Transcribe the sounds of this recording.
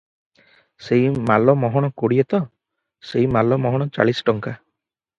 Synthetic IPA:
seɦimalɔmɔɦɔɽ̃ɔkoɽiet̪ɔ | seɦimalɔmɔɦɔɽ̃ɔt͡ʃa̰ɭisʈɔŋka

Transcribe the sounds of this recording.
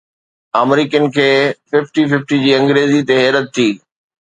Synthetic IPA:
aːmɾiːkənɪ̆kʰeːfɪfʈifɪfʈid͡ʑiːɐ̃ŋɡɾeːzit̪eɦɛːɾət̪ʰːiː

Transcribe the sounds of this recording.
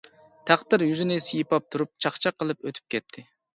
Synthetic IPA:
t̪ʰæχd̪ɪɾjyzynɪsɪjipɑp̚t̪ʰuɾup̚t͡ʃʰɑχt͡ʃʰɑqʰːəlˠɨpøt̪ʰy̥p̚kʲɛt̪ʰːɪ

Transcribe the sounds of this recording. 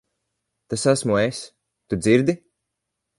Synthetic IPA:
t̪asasmues | t̪ud̪ziɾd̪i

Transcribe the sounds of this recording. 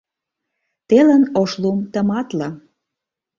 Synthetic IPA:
t̪elənoʃlumt̪ə̆mɑt̪lɑ

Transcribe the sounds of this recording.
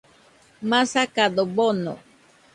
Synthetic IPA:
masakad̪obono̰

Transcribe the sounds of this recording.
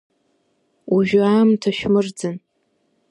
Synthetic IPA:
uʒᶣʊaːmtʰaʃᶣmɨrd͡zɨn

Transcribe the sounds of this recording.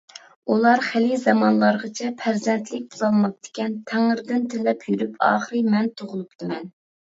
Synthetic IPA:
ulˠɑɾχɪlizɑmɑnlˠɑɾʁət͡ʃʰɛpʰæɾzɛnt̪ʰlɪk̚ʲbuzɑlˠmɑq̚t̪ɪ̥kʲɛnt̪ʰæŋɪɾd̪ɪnt̪ʰelɛpʰjyɾypʰɑ̰ːχəɾɨmɛnt̪ʰoʁʊlˠupt̪ʰɨmɛn

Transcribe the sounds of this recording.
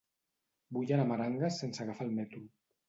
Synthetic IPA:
buʎanamaɾaŋɡasensaɣafalmɛt̪u

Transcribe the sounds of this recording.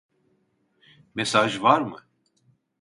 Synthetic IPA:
mesaːʒvaɾmɨ̰

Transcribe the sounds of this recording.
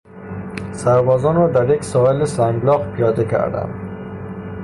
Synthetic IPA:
sæɾbɒːzɒːnɾɔːd̪æɾjeksɒːelisæŋɡlɒːχpʰijɒːd̪ekʰæ̰ɾd̪æ̰m

